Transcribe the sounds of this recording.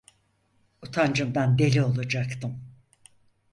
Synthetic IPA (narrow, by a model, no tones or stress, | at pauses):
ut̪ʰand͡ʒɯmd̪and̪e̞lʲio̞lˠad͡ʒakt̪ʰɯm